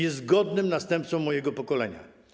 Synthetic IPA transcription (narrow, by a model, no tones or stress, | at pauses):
ɛzɡɔd̪nɘmnast̪ɛmp̚t̪sɔ̃mːɔjɛɡɔpɔkɔlɛɲa̰